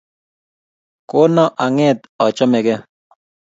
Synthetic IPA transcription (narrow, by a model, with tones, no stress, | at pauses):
ko˦nɔ˦ʔa˨ŋɛ˦t̪ | ɔ˨t͡ʃɔ˦mɛ˨kɛ˦